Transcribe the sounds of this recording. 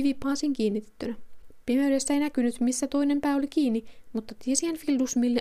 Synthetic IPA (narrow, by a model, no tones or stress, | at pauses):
iʋipɑːsiːŋkiːnːit̪e̥t̪ːynæpimeydest̪ːæejnækynyt̪misːæt̪o̞ine̞mpæːolikiːnːimut̪ːɑt̪iesienfildusmilːe